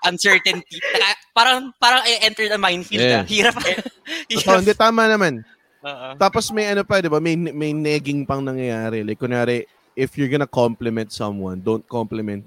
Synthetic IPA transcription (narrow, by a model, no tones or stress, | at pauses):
ʔɐnsɛɹt̪ɛnt̪inɐkapaːɾɐŋpaːɾɐŋɪʔɛnt̪ɛɹd̪ɐmajnfilhiːɾɐpɐ | oɪnd̪ɛt̪aːmɐnɐman | oːʔot̪aːposmɐjʔɐnopɐd̪ɪbamɐjnmɐjnɛːɡɪŋpɐŋnɐŋjɐjaːɾɛlajkːonjaːɾɛ | ʔɪfjʊɹɡɐnɐkomplɛmɛ̃nt̪̚sɐ̃mwɐ̰nd̪ont̪̚komplɛmɛnt̪̚